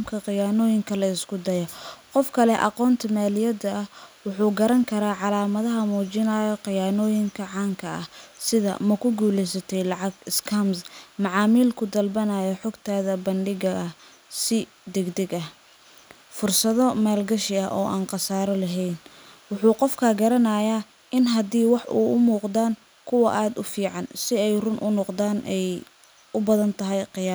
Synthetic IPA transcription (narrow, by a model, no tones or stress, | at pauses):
mkʰɐqɪjaːnɔːjɪŋkʰɐlɐɪskʰʊd̪ɐjɐqɔfkʰɐlɛʔɑ̰qɔːnt̪ʰɐmaːlɪjɐd̪ɐɐhwʊħuːɡɐɾɐŋkʰɐɾaːʕɑlaːmɐðɐɦɐmuːt͡ʃɪnaːjɔqɪjaːnɔːjɪŋkʰɐʕɑːŋkʰɐɐ̰hsɪðɐ̰mɐkʰʊɡuːlɛjsɐt̪ʰɛjlɑʕɑɡɪskʰɐmsmɑʕɑːmiːlkʰʊd̪ɐlbɐnajɔħɔɡt̪ʰaːðɐbɐnɖɪɣɐɐ | sɪ | d̪ɛɡd̪ɛɡɐ | fʊrsɐðɔmaːlɡɐʃɪɐʔɔːʔaːnqɑsaːɾɐlɐɦɛjn | wʊħuːqɔfkʰɐːɡɐɾɐnaːjaː | ʔɪnɦɐd̪iːwɑħʔṵːʊmuːqd̪aːn | kʰʊwɐʔaːd̪ʊfiːʕɑnsɪɛjrʊnʔʊnɔqd̪aːnʔɛj | ʊbɐðɐnt̪ʰɐɦɛjqɪjaː